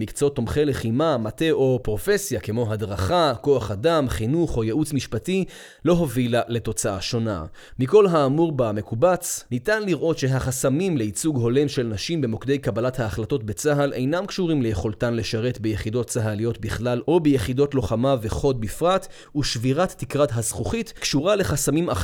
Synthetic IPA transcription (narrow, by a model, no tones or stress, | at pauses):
mikt͡sot̪ːo̞mχeleχimamate̞ʔo̞pʁo̞fe̞sjake̞mo̞ɦadʁaχako̞aχadamχinuχo̞jeʔut͡smiʃpati | lo̞ɦo̞vilale̞to̞t͡saaʃo̞na̰ | miko̞lɦaːmuʁbame̞kubat͡snitanliʁʔo̞tʃe̞ɦaχasamimle̞it͡suɡɦo̞le̞mʃelnaʃimbemokd̪e̞jkabalathaːχlato̞tbe̞t͡saɦalʔe̞̰jnamkʃuʁimle̞jeχo̞ltanle̞ʃaʁe̞t̪bejeχido̞t̚t͡saɦalijo̞t̪biχlalʔo̞bejeχido̞tlo̞χamaveχo̞t̚bifʁat | uʃviʁatːikʁadɦazχuχitkʃuʁale̞χasamima